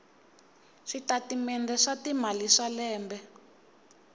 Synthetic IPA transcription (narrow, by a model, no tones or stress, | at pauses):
ʂitatimɛndɛʂatimaliʂalɛːmbɛ